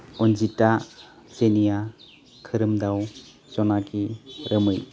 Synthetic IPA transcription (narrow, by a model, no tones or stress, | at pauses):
ɔnzita | z̥enija | kʰɯɾɯmdaw | zɔnakiɾəmɯj